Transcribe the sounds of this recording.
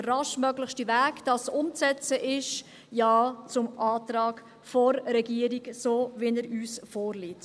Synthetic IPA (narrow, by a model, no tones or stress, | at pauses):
ərɑʃmœɡlɪχʃtivæːkd̥ɑsʊmt͡sɛt͡səʔɪʃ | jɑːt͡sʊmɑːtɾɑːk | fɔɾɾɛɡiəɾiɡsoːʋinəɾyːsfɔːɾliːt